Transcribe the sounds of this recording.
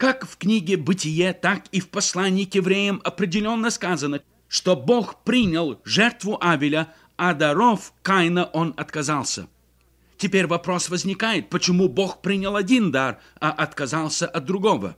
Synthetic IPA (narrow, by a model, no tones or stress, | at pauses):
kakfknʲiɡʲɪbɨtʲɪjet̪akifpɐslˠanʲɪːkjɪvɾʲejəmɐpɾʲɪdʲɪlʲo̞nːəskazənə | ʂt̪oboxpɾʲinʲɪlˠʐɛrt̪vʊʔavʲɪlʲə | ɐd̪ɐɾofkajnəʔonɐt̪kɐzalˠsʲə̰ | tʲɪpʲeɾʲvɐpɾo̞svəzʲnʲɪkajɪt̪̚pət͡ɕɪmuboxpɾʲinʲɪlˠɐdʲind̪ar | ɐʔɐt̪kɐzalˠsʲəʔɐt̪̚d̪ɾʊɡovə̰